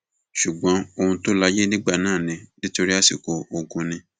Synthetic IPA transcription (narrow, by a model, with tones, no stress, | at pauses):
ʃu˨ɡ͡bɔ̃˨˦o˧hũ˧to˦la˧je˦nĩ˦ɡ͡ba˦˨nãː˦˨nĩ˧˦nĩ˦to˧ɾi˦a˦˨si˨ko˨o˨ɡũ˧nĩ˧